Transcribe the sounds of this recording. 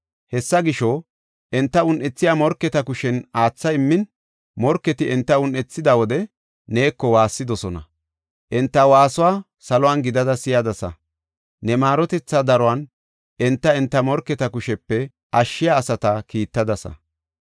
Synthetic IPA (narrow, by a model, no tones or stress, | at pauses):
hɛsːɐɡɪʃɔ | ʔɛnt̪ːɐʊnʔɛt͡sːɪjaːmɔɾkːɛt̪ɐkʊʃɛnaːt͡sːɐɪmːɪn | mɔɾkːɛt̪ɪʔɛnt̪ːɐʊnʔɛt͡sːɪd̪ɐwɔd̪ɛ | neːkːɔwaːsːɪd̪ɔsɔnɐ̰ | ʔɛnt̪ːɐwaːsʊwaː | sɐlɔwanɡɪd̪ɐd̪ɐsɪjɐd̪ɐsɐ̰ | nɛmaːɾɔt̪ɛt͡sːɐd̪ɐɾɔwan | ʔɛnt̪ːɐɛnt̪ːɐmɔɾkːɛt̪ɐkʊʃɛpːɛ | ʔɐʃːɪjaːsɐt̪ɐkiːt̪ːɐd̪ɐsɐ̰